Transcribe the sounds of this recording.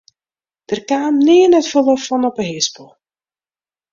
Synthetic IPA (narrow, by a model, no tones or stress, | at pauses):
d̥ərkaːmniːənətfəlɔffɔnɔpəɦɪsbolˠ